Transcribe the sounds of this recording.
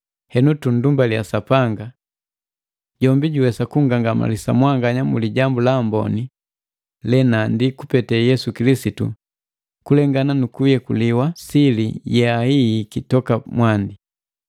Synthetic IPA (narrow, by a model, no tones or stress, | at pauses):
hɛnutundumbaljasapaŋɡa | ɟ̥ɔmbiɟuwɛsakuŋɡaŋɡama̰lisamwaŋɡaɲamuliɟambulambɔ̰ni | lɛnandikupɛtɛjɛsukilisitṵ | kulɛŋɡananukujɛkṵliwasilḭjɛahiːkitɔkamwandi